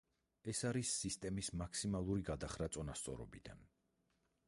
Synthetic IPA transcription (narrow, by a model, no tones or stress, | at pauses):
ɛsaɾisːist̪ʼɛmismakʰsimalˠuɾiɡad̪aχɾat̪sʼɔnast̪sʼɔ̰ɾɔ̰bid̪a̰n